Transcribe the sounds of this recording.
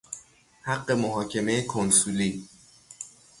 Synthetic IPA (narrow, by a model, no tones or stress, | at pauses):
hæɢːe̞moɦɒːcʰe̞me̞ekʰonsuliː